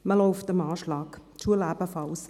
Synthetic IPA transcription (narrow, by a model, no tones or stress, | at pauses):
məlɔʊftəmaːʃlɑːkt͡ʃuəlæb̥əfɑls